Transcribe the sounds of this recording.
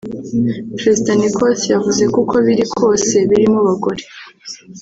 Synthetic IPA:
pɾe̞zidanikosjavuze̞kukʰo̞βiɾikʰo̞ːse̞βiɾimuβaɡo̞ɾe

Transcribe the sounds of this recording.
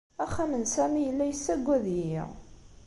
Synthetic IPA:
æχːæmənsæmijəlːæjəsːæɡʷæðjḭ

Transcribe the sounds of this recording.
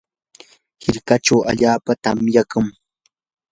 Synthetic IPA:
hɪɾkaʈ͡ʂawa̰ʎaːpat̪amjakʊŋ

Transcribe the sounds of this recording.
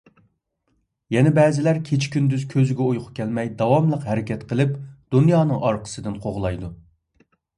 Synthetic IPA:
jɛnɛbɛːzɪlæɾkʲʰet͡ʃʰkʲynd̪yzkʲʰøzɪɡʲɛujqʰʊ̥kʲʰːɛlmɛjd̪ɑwɑmlˠəqɦɛɾɪkʲʰɛt̪qʰəlˠɪpd̪̥unjɑːnɨŋɑɾqʰə̥sɨd̪ɨnqʰoʁlˠɑjd̪u

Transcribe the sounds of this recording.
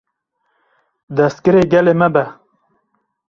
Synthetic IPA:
d̪ɐst̪̚kɨɾeɡɐlemɐbɐ

